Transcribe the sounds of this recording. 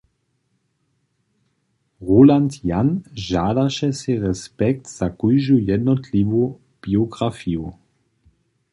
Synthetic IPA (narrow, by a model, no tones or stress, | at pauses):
ʁulant̪janʒaːd̪aʃɛsɛɾɛspɛk̚t̪z̥akujʒujɛd̪nɔt̪liʋu | b̥ioɡɾafiu